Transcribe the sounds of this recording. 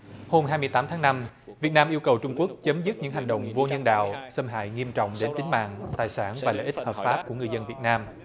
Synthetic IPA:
ho˧mhɦaː˧jmɨ˧əjt̪aː˨˦mt̪ʰaː˨˦ŋna˧m | vi˨˩ət̚naː˧mʔi˧əwkə˨˩wt͡ɕʊ˧ŋ͡mku˦˥ək̚t͡ɕə˨˦mzɨ˦˥t̚ɲɨ̰˧˥ŋɦa˨˩ŋ̟ɗə̰˧˨wŋ͡mvo˧ɲə˧nɗa̰ː˧˨wsə˧mɦa̰ː˧˨jŋi˧əmt͡ɕɔ̰˧˨wŋ͡mɗe˨˦nt̪ï˨˦ŋ̟ma̰ː˧˨ŋt̪aː˨˩jsaː˧˩nvaː˨˩lə̰˧˨ʔi˦˥t̚həː˨˩p̚faː˦˥p̚ku˧˩əŋɨ˨˧əjzə˧nvi˨˩ət̚naː˧m

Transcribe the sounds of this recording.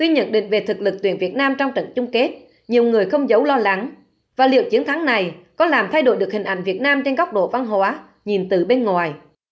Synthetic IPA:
t̪wi˧ɲə̰˧˨nɗḭ̈˧˨ŋ̟ve˨˩t̪ʰɨ˨˩k̚lɨ˨˩k̚t̪wi˧˩ənvi˨˩ət̚naː˧mt͡ɕɔ˧wŋ͡mt͡ɕə̰˧˨nt͡ɕʊ˧ŋ͡mke˦˥t̚ | ɲi˨˩əwŋɨ˨˩əjxə˧wŋ͡mzə˨˦wlɔ˧la˨˦ŋ | vaː˨˩lḭ˧˨əwt͡ɕi˨˦əŋt̪ʰa˨˦ŋna˨˩jkɔ˨˦laː˨˩mt̪ʰa˧jɗo̰˧˩jɗɨ˨˩ək̚hï˨˩ŋ̟ʔa̰˧˩jŋ̟vi˨˩ət̚naː˧mt͡ɕe˧nɣɔ˦˥k͡p̚ɗo̰˧˨va˧nɦwaː˨˦ | ɲi˨˩nt̪ɨ˨˩ɓe˧nŋwaː˨˩j

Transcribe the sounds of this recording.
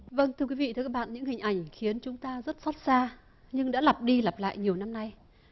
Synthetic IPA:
və˧nt̪ʰɨ˧əkwi˨˦vḭ˧˨t̪ʰɨ˧kːaː˦˥ɓa̰ː˧˨nɲɨ̰˧˥ŋɦï˨˩ŋ̟ʔa˧˩jŋ̟xi˨˦ənt͡ɕʊ˨˦ŋ͡mt̪aː˧zə˦˥t̚so˦˥t̚saː˧ | ɲɨ˧ŋɗa̰ː˧˥la˨˩p̚ɗi˧la˨˩p̚la̰ː˧˨jɲi˨˩əwna˧mna˧j

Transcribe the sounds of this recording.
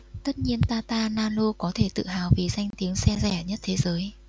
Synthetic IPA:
t̪ə˦˥t̚ɲi˧ənt̪aː˧t̪aː˧naː˧lo˧kɔ˨˦t̪ʰe˧˩t̪ɨ̰˧˨ɦaː˨˩wvi˨˩za˧jŋ̟t̪i˨˦əŋsɛ˧zɛ˧˩ɲə˦˥t̚t̪ʰe˨˦zəː˨˦j

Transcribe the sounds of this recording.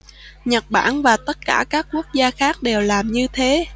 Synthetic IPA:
ɲə˨˩t̚ɓa̰ː˧˩nvaː˨˩t̪ə˦˥t̚kaː˧˩kaː˦˥kkːu˦˥ək̚zaː˧xaː˦˥k̚ɗe˨˩wlaː˨˩mɲɨ˧t̪ʰe˨˦

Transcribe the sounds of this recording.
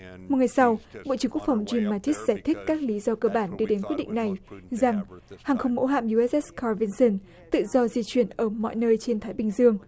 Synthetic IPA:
m˨˩t̚ŋa˨˩jsa˧wɓo̰˧˨t͡ɕɨ˧˩əŋku˦˥əkfa˧˩wŋ͡mzi˧mːaː˧t̪ʰi˦˥z̥aː˧˩jt̪ʰï˦˥k̟̚kːaː˦˥k̚li˨˦zɔ˧kəː˧ɓaː˧˩nɗɨ˧ɗe˨˦nkw̚ɗḭ˧˨ŋ̟na˨˩jza˨˩ŋhaː˨˩ŋxə˧wŋ͡mmo̰˧˥ɦa̰ː˧˨mju˧ʔɛ˦˥ʔɛ˦˥ka˧vi˧nsə˧n | t̪ɨ̰˧˨zɔ˧zi˧t͡ɕwi˧˩ənʔəː˧˩mɔ̰˧˨jnəː˧jt͡ɕe˧nt̪ʰaː˨˦jɓï˨˩ŋ̟zɨ˧əŋ

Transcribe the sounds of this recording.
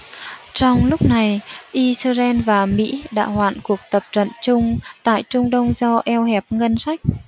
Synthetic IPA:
t͡ɕɔ˧wŋ͡mlʊ˦˥k͡p̚na˨˩jʔi˧səː˧zɛ˧nvaː˨˩mḭ˧˥ɗa̰ː˧˥hwa̰ː˧˨nku˨˩ək̚t̪ə˨˩p̚t͡ɕə̰˧˨nt͡ɕʊ˧ŋ͡mt̪a̰ː˧˨jt͡ɕʊ˧ŋ͡mɗə˧wŋ͡mzɔ˧ʔɛ˧whɛ˨˩p̚ŋə˧nsa˦˥jk̚

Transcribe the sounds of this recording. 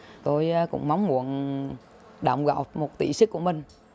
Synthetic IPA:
t̪o˧jkʊ̰˧˥ŋ͡mma˨˦wŋ͡mmu˧˩ən | ɗa̰ː˧˨˩wŋ͡mɣa̰˧˩wt̚mo˨˩t̚t̪ḭ˧˩sɨ˦˥k̚ːu˧˩əmï˨˩ŋ̟

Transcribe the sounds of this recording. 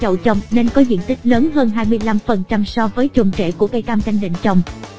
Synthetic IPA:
t͡ɕə̰˧˨˩wt͡ɕə˨˧wŋ͡mne˧nkɔ˨˦zḭ˧˨ənt̪ï˦˥k̟̚ləː˨˦nɦəː˧nɦaː˧jmɨ˧əjla˧mfə˨˩nt͡ɕa˧msɔ˧vəː˨˦jt͡ɕʊ˨˩ŋ͡mt͡ɕḛ˧˨ku˧˩əkə˧jkaː˧mt͡ɕa˧jŋ̟ɗḭ˧˨ŋ̟t͡ɕə˨˧˩wŋ͡m

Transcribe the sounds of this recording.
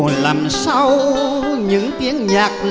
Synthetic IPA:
laː˨˩msa˧wɲɨ̰˧˥ŋt̪i˨˦ənɲaː˨˩k̚l

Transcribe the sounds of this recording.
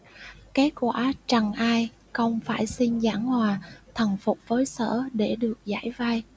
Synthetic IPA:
ke˨˦˥t̚kwaː˧˩t͡ɕə˨˩ŋʔaː˧j | xə˧wŋ͡mfaː˧˩jsi˧nzaː˧˥˩ŋhwaː˨˩t̪ʰə˨˩nfʊ˨˩k͡p̚vəː˨˦jsə̰ː˧˥˨ɗe˧˩ɗɨ˨˩ək̚za̰ː˧˩jva˧j

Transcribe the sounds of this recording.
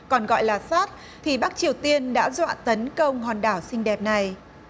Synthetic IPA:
kɔ˨˩nɣɔ̰˧˨jlaː˨˩saː˦˥t̚ | t̪ʰi˨˩ɓaː˦˥k̚t͡ɕi˨˩əwt̪i˧ənɗa̰ː˧˥zwa̰ː˧˨nt̪ə˨˦nkə˧wŋ͡mɦɔ˨˩nɗaː˧˩wsï˧ŋ̟ɗɛ˨˩p̚na˨˩j

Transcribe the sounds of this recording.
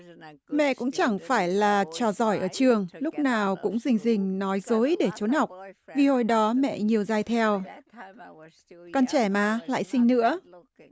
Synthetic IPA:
mɛ̰˧˨kʊ̰˧˥ŋ͡mt͡ɕa˧˩ŋfaː˧˩jlaː˨˩t͡ɕɔ˧˩zɔ˧˩jʔəː˧˩t͡ɕɨ˨˩əŋlʊ˦˥k͡p̚naː˨˩wkʊ̰˧˥ŋ͡mzï˨˩ŋ̟zï˨˩ŋ̟nɔ˨˦jzo˨˦jɗe˧˩t͡ɕo˨˦nha˨˩wk͡p̚vi˨˩ho˧˩jɗɔ˨˦mɛ̰˧˨ɲi˨˩əwzaː˧jt̪ʰɛ˧w | kɔ˧nt͡ɕɛ˧˩maː˨˩la̰ː˧˨jsï˧ŋnɨ̰˧˥ə

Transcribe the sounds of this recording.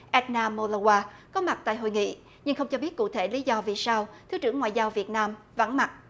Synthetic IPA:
ʔɛ˦˥t̚naː˧mo˧lə˧waː˧kɔ˨˦ma˨˩t̚t̪a̰ː˧˨jɦo̰˧˨jŋḭ˧˨ | ɲɨ˧ŋxə˧wŋ͡mt͡ɕɔ˧ɓi˦˥ət̚kṵ˧˨t̪ʰe˧˩li˨˦zɔ˧vi˨˩saː˧wt̪ʰɨ˨˦t͡ɕɨ˧˩əŋːwa̰ː˧˨jzaː˧wvi˨˩ət̚naː˧m | və̰˧˥nma˨˩t̚

